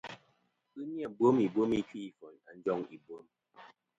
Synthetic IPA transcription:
ɨ˦mja˨bwo˦mi˨bwo˦mi˦t͡ʃi˦i˨fɔ˨na˨n̩˦d͡ʒɔ˦ŋi˨bwo˦m

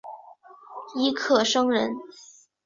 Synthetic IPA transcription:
i˧˥kʰɤ˨˩ʂɤ˥ŋɻə˧˥n

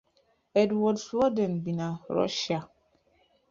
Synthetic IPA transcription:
ɛ˨dwɔ˨dslɔ˦dɛ˨nbi˨na˨ɾɔ̰˦ʃa˨

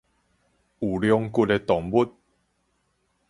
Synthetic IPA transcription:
u˨˩ljɔ˧ŋku˥˧t̚e˧t̪ɔ˨˩ŋbu˦t̚

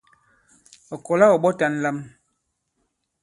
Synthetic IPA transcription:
ɔ˨kɔ˨la˦ɔ˨ɓɔ˦ta˨n̩˦la˦m

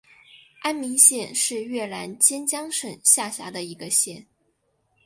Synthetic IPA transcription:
a˥nmi˧˥ŋɕjɛ˥˧nʂɻ̩˥˧ɥɛ˥˩la̰˧˥nt͡ɕjɛ˥nt͡ɕjɑ˥ŋʂə˨˩ŋɕja˥˩ɕja̰˧˥d̪ə˧i˧˥ɡə˧ɕjɛ˥˩n

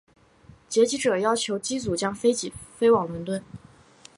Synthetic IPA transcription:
t͡ɕjɛ˧˥t͡ɕi˧˥ʈ͡ʂɤ˨˩jɑ˥ʊt͡ɕʰjo˧˥ʊt͡ɕi˥t͡su˨˩t͡ɕjɑ˥ŋfe˥ɪt͡ɕi˨˩fe˥ɪwɑ˨˩ŋlwə˧˥nt̪wə˥˩n

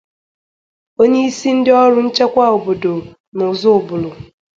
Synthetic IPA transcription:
o˦ɲe˦i˦si˦n̩˦dɪ˦ɔ˦ɾʊ˦n̩˦t͡ʃe˦kʷa˦˨o˨bo˨do˨ | nʊ˨zʊ˦ʊ˨bʊ˨lʊ˨

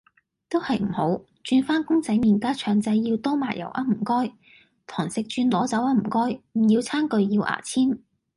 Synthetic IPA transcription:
t̪o˥whɐ˨jm̩˨˩ho˨˥w | t͡ʃyː˧nfaː˥nkʊ˥ŋt͡sɐ˨˥jmiː˨˩nkaː˥t͡ʃʰœː˨˩ŋt͡sɐ˧jːiː˧wt̪o˥maː˨˩jɐ̰˨˩wʔa̰˥m̩˨˩kɔː˥j | t̪ʰɔː˨˩ŋsɪ˨k̚t͡ʃyː˧nlɔː˨˥t͡sɐ˨˥wa˥m̩˨˩kɔː˥jm̩˨˩jiː˧wt͡sʰaː˥nkɵ˧ɥjiː˧wʔa̰ː˨˩t͡sʰiː˥n

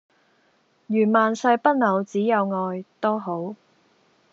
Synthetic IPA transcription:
jyː˨˩nmaː˨nsɐ˧jpɐ˥t̚nɐ˨˧wt͡siː˨˥jɐ˨˧wŋɔː˧jt̪ɔː˥ɦo˨˥w

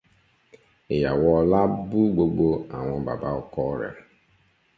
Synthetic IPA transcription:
ɪ˨ja˨wɔ˦la˦bu˦ɡ͡bo˨ɡ͡bo˦a˨ŋʷʊ˨ba̰˨ba˦ɔ˨kɔ˦ɾḛ˨

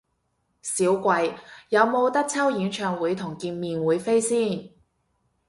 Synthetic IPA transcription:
siː˨˥wkʷɐ˧jjɐ˨˧wmo˨˧wt̪ɐ˥k̚t͡sʰɐ˥wjiː˨˥nt͡ʃʰœː˨ŋwuː˨˥jt̪ʰʊ˨˩ŋkiː˧nmiː˧nwuː˨˥jfe˥jsiː˥˩n

